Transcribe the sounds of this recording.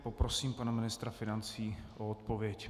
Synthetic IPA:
popɾo̞siːmpanamɪnɪst̪ɾafɪnant͡siːʔoot̪po̞vjɛc

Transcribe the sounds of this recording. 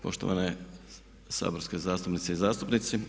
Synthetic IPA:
po̞̰ʃt̪o̞ʋa̰ne | sa̰ːboɾske̞zaːst̪upnit̪seizaːst̪upnit̪si

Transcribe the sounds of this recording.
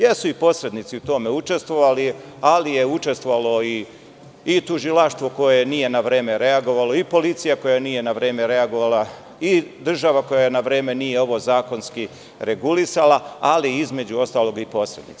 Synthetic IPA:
jesuipo̞sɾe̞d̪nit̪siut̪o̞me̞ut͡ʃe̞st̪ʋo̞ʋali | alije̞ut͡ʃe̞st̪ʋoʋalo̞iː | t̪uʒilaʃt̪ʋo̞ko̞jenije̞naʋɾeːme̞ɾe̞aɡo̞ʋalo̞ipo̞lit̪sijako̞janije̞naʋɾe̞ːme̞ɾe̞aɡo̞ʋala | id̪r̩ʒaʋako̞janaʋɾeːme̞nije̞o̞ʋo̞zaːko̞nski | ɾe̞ɡulisalaaliizme̞d͡ʑuo̞st̪aːlo̞ɡipo̞sɾe̞d̪nḭt̪s

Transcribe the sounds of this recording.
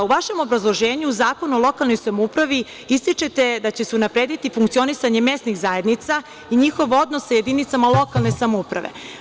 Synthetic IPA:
uʋaʃe̞mo̞bɾazlˠoʒe̞ːɲuːzaːko̞nuolˠo̞kalno̞jsamoupɾaʋi | ist̪it͡ʃe̞t̪e̞d̪at͡ɕeseunapɾe̞ːd̪it̪ifuŋkt̪sio̞nisaɲe̞me̞sniɣzaje̞d̪nit̪sa | iɲixo̞ʋo̞d̪no̞sːaje̞d̪init̪samalˠo̞kalˠne̞samoupɾa̰ʋe̞̰

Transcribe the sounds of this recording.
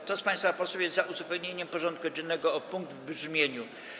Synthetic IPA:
t̪ɔspãj̃st̪fapɔswɛwjɛzt̪zaʔuzupɛwɲeɲɛmpɔʐɔnt̪̚kuɔd͡ʑɛnːɛɡɔɔpuŋɡ̚d̪vbʐmʲjeɲu

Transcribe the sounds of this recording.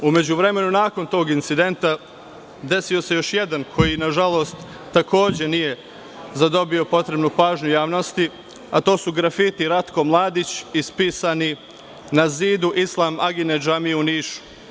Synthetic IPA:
ume̞d͡ʑuʋɾe̞me̞nunaːko̞nt̪o̞ːɡint̪sid̪e̞nt̪a | d̪e̞sijo̞se̞jo̞ʃje̞d̪ankʰo̞jinaʒalo̞ːst̪ː | ako̞ːd͡ʑe̞nije̞ | zad̪o̞bio̞po̞t̪ɾe̞bnupaːʒɲujaːʋno̞st̪i | at̪o̞ːsuɡɾafit̪iɾat̪ko̞mlˠaːd̪it͡ɕispiːsani | naziːd̪uʔislˠaːmʔaɡined͡ʒamieuniːʃu̥

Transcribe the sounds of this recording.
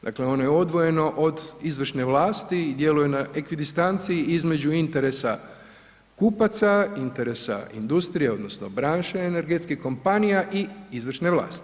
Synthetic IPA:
d̪a̰kle̞o̞nojeod̪ʋo̞je̞no̞ʔod̪izʋr̩ʃne̞ʋlaːst̪id̪je̞lujenaʔekʋid̪ist̪ant̪siiizme̞d͡ʑuint̪e̞ɾe̞sa | kupat̪saint̪e̞ɾe̞sa̰ḭnd̪ust̪ɾije̞o̞d̪no̞sno̞̰bɾaːnʃeene̞ɾɡe̞t̪skihko̞mpanijaʔiizʋr̩ʃne̞ʋlˠa̰ːst̪i̥

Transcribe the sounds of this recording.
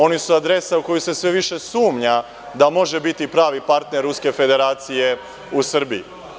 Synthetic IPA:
o̞nisuad̪ɾe̞sauko̞juse̞sʋeʋiʃe̞suːmɲa | d̪amo̞ʒe̞bit̪ipɾaːʋipaɾt̪neɾːuske̞fe̞d̪e̞ɾaːt̪sije̞ | usr̩bḭi

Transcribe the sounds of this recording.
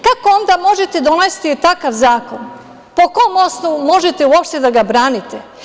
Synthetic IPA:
kakoo̞nd̪amo̞ʒet̪ed̪onest̪it̪akaʋzaːko̞n | po̞ko̞mo̞snoʋumo̞ʒet̪euopʃt̪ed̪aɡabɾaːnit̪e

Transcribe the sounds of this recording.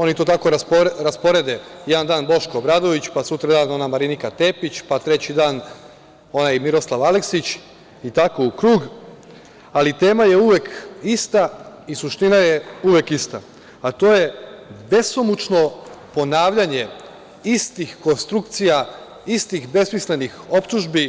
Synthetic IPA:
o̞nit̪o̞ːt̪ako̞ɾaɾaspo̞ɾe̞d̪ejed̪and̪aːnbo̞ʃko̞bɾad̪o̞ʋit͡ɕpasut̪ɾad̪aːno̞namaɾinikat̪e̞pit͡ɕpat̪ɾe̞t͡ɕid̪aːn | o̞najimiɾo̞slˠaʋaleksit͡ɕ | it̪ako̞ukɾuːɡ | alit̪e̞ːmaje̞uʋekist̪a | isuʃt̪inajeuʋekist̪a | at̪o̞ːje̞be̞somut͡ʃno̞po̞naːʋʎaɲe̞ | ist̪ixko̞nst̪ɾuk̚t̪sija | ist̪ixbe̞smisle̞nixo̞pt̪uʒbi

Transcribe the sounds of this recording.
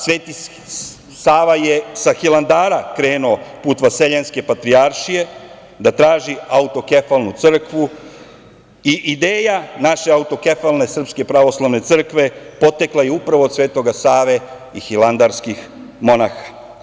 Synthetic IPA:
sʋeːt̪i | saːʋajesaxilˠand̪aːɾakɾe̞ːnuopuːt̪ʋaseʎenske̞pat̪ɾiaɾʃije̞ | d̪at̪ɾaːʒiaut̪o̞ke̞falˠnut̪sr̩kʋu | iʔid̪eːjanaʃe̞aut̪o̞ke̞falne̞sr̩pske̞pɾaʋo̞slˠaʋne̞t̪sr̩kʋe̞po̞t̪eklajeupɾaʋo̞ːd̪sʋe̞ːt̪o̞ɡasaːʋe̞ | ixiland̪aɾskix | mo̞naxḁ

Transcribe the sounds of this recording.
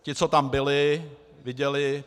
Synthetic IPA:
cɪt͡sot̪ambɪlɪ | vɪɟɛlɪ

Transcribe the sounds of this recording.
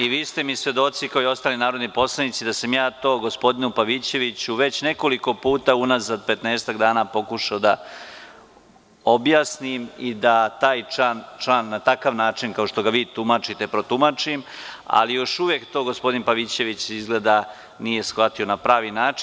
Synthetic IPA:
iʋiːst̪emisʋe̞d̪o̞t̪sikaoio̞st̪aːlinaːɾod̪nipo̞slˠanit̪sid̪asamjaːt̪o̞ːɡo̞spo̞d̪inupaʋit͡ɕe̞ʋit͡ɕuʋe̞t͡ɕne̞ko̞liko̞puːt̪aunazad̪̚pe̞t̪neːst̪aɡd̪aːnapo̞kuʃaod̪a | o̞bjaːsnimid̪at̪aːjant͡ʃlaːnːat̪akaʋnaːt͡ʃinkao̞ʃt̪o̞ɡaʋiːt̪umat͡ʂit̪e̞pɾo̞t̪umat͡ʂima̰lijo̞ʃuʋjekt̪o̞ɡo̞spo̞d̪inpaʋit͡ɕe̞ʋit͡ɕizɡle̞ːd̪a | nije̞sxʋat̪io̞napɾaːʋinaːt͡ʃi

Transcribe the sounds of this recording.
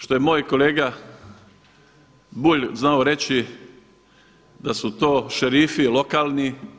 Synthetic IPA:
ʃt̪o̞jemoːjko̞leːɡa | buʎznaoɾe̞t͡ɕi | d̪asut̪oːʃeɾiːfilo̞kaːlˠni

